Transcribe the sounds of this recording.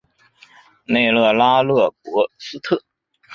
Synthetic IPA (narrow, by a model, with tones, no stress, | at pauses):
ne˥˧ɪlɤ˥˩la˥lɤ˥˩pwɔ˧˥sɹ̩˥t̪ʰɤ˥˩